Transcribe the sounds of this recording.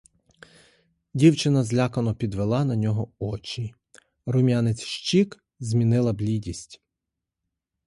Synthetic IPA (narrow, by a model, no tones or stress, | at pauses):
dʲiwt͡ʃɪnɐzlʲɑkɐnɔpʲid̪ʋelˠɑnɐnʲɔɦɔɔt͡ʃʲi | ɾʊmʲjanet͡sʲʃt͡ʃik | zʲmʲinɪlˠɐblʲidʲisʲtʲ